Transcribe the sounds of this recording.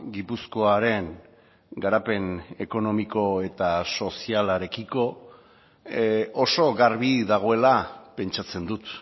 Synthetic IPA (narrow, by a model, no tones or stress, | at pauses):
ɡipusko̞aɾe̞ŋ | ɡaɾape̞ne̞ko̞no̞miko̞e̞t̪aso̞sialaɾe̞kiko̞ | oso̞ɣaɾβiðaɣ̞o̞e̞lape̞nt͡ʃat͡se̞nd̪ut̪